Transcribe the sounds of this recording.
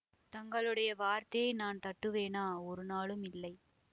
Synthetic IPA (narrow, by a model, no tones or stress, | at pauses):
t̪ɐŋɡɐɭɯɽɐjɐʋaːɾt̪ɐjɐjnaːnt̪ɐʈːɯʋeːnaːɔɾɯnaːɭɯmɪlːɐɪ